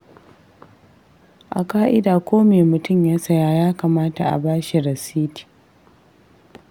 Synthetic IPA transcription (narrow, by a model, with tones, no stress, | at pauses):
ʔa̰˨kaː˦ʔɪ˦daː˨kʷoː˦meː˨mʊ˨tʊ˦˨mjaː˦sɐ˦jaː˦jaː˦kaː˨maː˦ta˨ʔa̰˨baː˦ʃi˨ɾɐ˨siː˦ti̥ː˨